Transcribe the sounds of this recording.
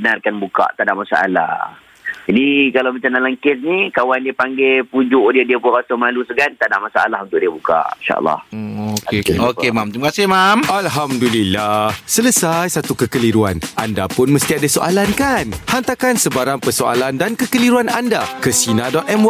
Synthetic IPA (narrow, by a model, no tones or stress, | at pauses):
bənarkanbuka̰ʔt̪adaʔmasaa̰la̰h | d͡ʒadikalawmat͡ʃamdalaŋkesnikawandiəpaŋɡepud͡ʒʊʔdiədiəpʊnrasomalusəɡant̪adaʔmasaa̰lahunt̪ʊʔ̚diəbuka̰ʔinʃa̰ʔə̰lːɑ̰hokeeokemamt̪ɾimakasɪhmamalɦamdulilːahsələsajsat̪ukəkəliɾuanʔandapʊnməst̪iadasoʔa̰lankanhant̪akansəbaɾaŋpərsoʔa̰landankəkəliɾuanandakəsinadɔt̪̚ɛmw